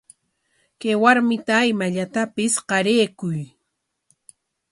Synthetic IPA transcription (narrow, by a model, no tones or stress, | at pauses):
kajwaɾmɪt̪aːjmaʎat̪apɪsqɑɾeːkʊj